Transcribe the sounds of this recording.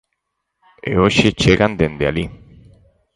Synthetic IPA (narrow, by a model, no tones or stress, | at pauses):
ḛoʃet͡ʃeɣand̪end̪eali